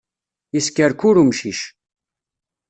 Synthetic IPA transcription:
iskəɾkʊɾumʃiʃ

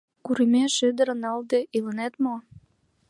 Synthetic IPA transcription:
kuɾimeʃød̪əɾənɑld̪eʔilənet̪mo

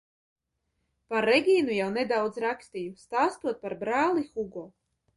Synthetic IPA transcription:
paɾːɛɡʲiːnujawned̪awd̪zɾakst̪ijust̪aːst̪uɔt̪̚paɾbɾaːlˠixuɡɔː

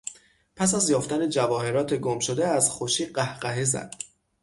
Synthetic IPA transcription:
pʰæs̬æzjɒːft̪æne̞d͡ʒævɒːhe̞ɾɒːt̪ʰe̞ɡomʃod̪e̞æzxoʃiːɢæhɢæɦezæ̰d̪̥

